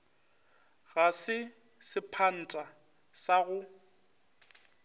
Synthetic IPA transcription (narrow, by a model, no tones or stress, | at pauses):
ɣasɪ | sɪpʰan̩tʼa | saɣʊ